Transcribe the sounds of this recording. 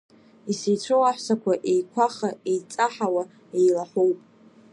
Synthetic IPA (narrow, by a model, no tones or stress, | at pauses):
isejt͡ɕʷʰowaħʷsakʷʰaʔejkʷʰaχaejt͡sʼaħawa | ejlaħʷowpʼ